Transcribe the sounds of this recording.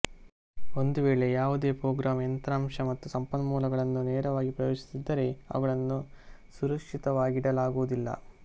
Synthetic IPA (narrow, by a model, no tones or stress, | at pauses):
o̞nd̪uʋe̞ːɭe̞jaːʋud̪e̞ːpɾoːɡɾaːment̪ɾaːmʂɐmɐt̪ːusɐmpɐnːɐmuːlɐɡɐɭɐnːuneːɾɐʋaːɡipɾɐjoːʂi̥sid̪ːɐɾe̞ɐ̰ʋɐɡɐɭɐnːusuɾɐkʂit̪ɐʋaːɡiɽɐlaːɡuʋud̪ilːɐ̰